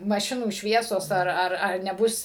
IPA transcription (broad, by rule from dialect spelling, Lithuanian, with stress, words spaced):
mɐˈʃʲɪnuː ˈʃʲʋʲiɛsoːs ɐr ˈɐr ɐr nʲɛˈbʊs